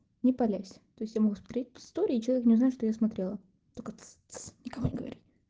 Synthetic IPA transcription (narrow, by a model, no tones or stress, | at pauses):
nʲɪpɐlʲæsʲt̪o̞jɪsʲtʲjamɐɡusmɐt̪ɾʲet̚ʲpɪ̥st̪oɾʲɪːt͡ɕɪlˠɐvʲeknʲɪʊznaʊʂt̪ojasmɐt̪ɾʲelˠə | t̪okət͡s | t͡snʲɪkɐvonʲɪɡə̰vɐ̰ɾʲitʲ